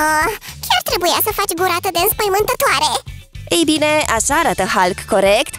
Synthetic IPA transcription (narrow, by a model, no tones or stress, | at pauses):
əkʲʰart̪ɾe̞bujasəfat͡ʃʲɡuɾat̪əd̪eɨnspəjmɨnt̪ət̪oaɾe̞ejbine̞aʃaɾat̪əhalɡko̞ɾekt̪